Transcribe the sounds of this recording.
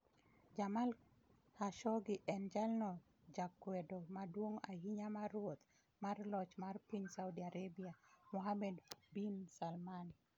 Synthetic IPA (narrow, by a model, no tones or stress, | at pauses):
d͡ʒamal | haʃɔɡɪʔɛnd͡ʒalnɔ | d͡ʒakːwɛdomadwoŋahiɲamarwot̪ | marlɔt͡ʃmarpiɲsawdiaɾebiamɔɦamɛdbinsalman